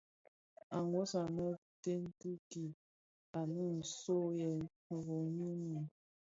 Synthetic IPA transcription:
a˨ŋɡo˦sa˨nə˦te˦n˦tu˦ki˨ | a˨nu˦n̩˨so˦jɛ˨ | u˨ɣo˨ɲi˦ni˨

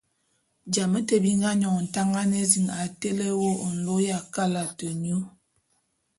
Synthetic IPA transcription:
d͡ʒa˨mə˦tə˨bi˦ŋɡa˦ɲɔ˨ŋ˨n̩˨ta˦ŋɡa˦ne˦zi˨ŋa˨te˦le˦wo˦˨n̩˨lo˦ja˨ka˦la˨tə˨ɲu˦

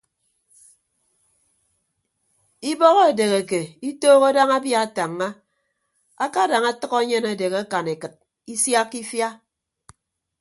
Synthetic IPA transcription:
i˦bɔ˦ɣɔ˦e˨de˨ɣe˨ke˨i˦toː˦ɣo˦da˦ŋa˦bja˦a˨ta˨ŋːa˦ | a˦ka˦da˨ŋa˦tɨ˦ɣɔ˦ɲe˦na˨de˨ɣa˦ka˨ne˨kɨ˨t̚ | i˦sja˦kːi˦fja˦

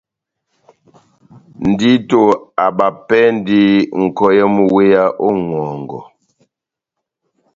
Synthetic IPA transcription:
n̩˨di˦to˦˨a˨ba˨pɛ˦n˦di˦ŋ̩˨kɔ˦jɛ˦mu˨we˦ja˦ʔo˦ŋwɔ˨ŋɡɔ̰˨

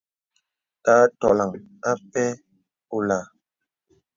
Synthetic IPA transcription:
taː˨˦tɔ˨la˨ŋ | a˦pɛ˦ | o˨la˨

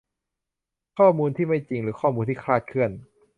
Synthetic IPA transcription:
kʰɔː˥˩muː˧nt̪ʰiː˥˩ma˥˩jt͡ɕi˧ŋɾɯː˩˦kʰɔː˥˩muː˧nt̪ʰiː˥˩kʰlaː˥˩t̪̚kʰɯ˥˩ən

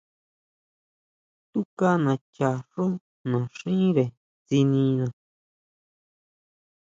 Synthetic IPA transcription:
t̪u˦ka˦nã˨t͡ʃa˨ʂo˦ | nã˨ʂĩ˦ɾe˨ | t͡si˧nĩ˧nã˧˨

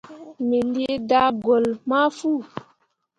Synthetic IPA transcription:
me˨li˦e˦da˦ɡɔ˨lma˦fu˦˨

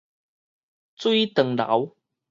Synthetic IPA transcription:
t͡swi˥jt̪ə˨˩ŋla̰˨˦w

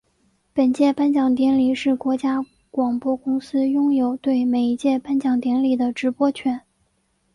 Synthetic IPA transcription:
pə˨˩nt͡ɕjɛ˥˩pa˥nt͡ɕjɑ˨˩ŋt̪̬jɛ˧˥nli˨˩ʂɻ̩˥˩kwɔ˧˥t͡ɕja˥ | kwɑ˨˩ŋpwɔ˥˩kʊ˥ŋsɹ̩˥jʊ˥ŋjo˨˩ʊt̪we˥˩ɪme˨˩ɪi˧˥t͡ɕjɛ˥˩pa˥nt͡ɕjɑ˨˩ŋt̪jɛ˧˥nli˨˩d̪ə˦ʈ͡ʂɻ̩˧˥pwɔ˥t͡ɕʰɥɛ˧˥n

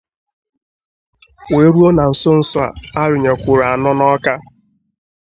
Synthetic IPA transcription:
we˨˦ɾu˦o˦na˨n̩˨sʊ˦n̩˦sʊ˦a̰˨a˦ɾɪ˨ɲe˨kʷʊ˨ɾa˨a˨nɔ˦nɔ˦ka˦

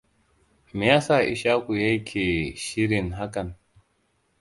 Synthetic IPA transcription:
mi˨jaː˦saː˨ʔɪ̰˨ʃaː˦kʷu˨ja˦jkʲʰeː˨ʃɪ˦ɾɪ˨nɦa˦kɐ˨n

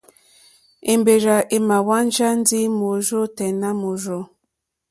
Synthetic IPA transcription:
e˨mbe˨ɾa˨ʔe˨ma˨wa˦n˦d͡ʒa˦n̩˦di˦mo˨zo˦tɛ˨na˦mo˨zo˦

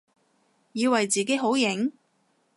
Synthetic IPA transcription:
jiː˨˧wɐ˨jt͡siː˨ke˨˥ɦo˨˥wjɪ˨˥ŋ

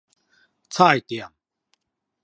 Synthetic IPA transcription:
t͡sʰa˥˨jt̪ia˨m

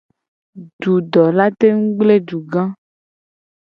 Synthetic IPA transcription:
ɖu˨ɖɔ˨la˦t̪e˦ŋ̩˦ɡ͡ble˦ɖu˨ɡã˦

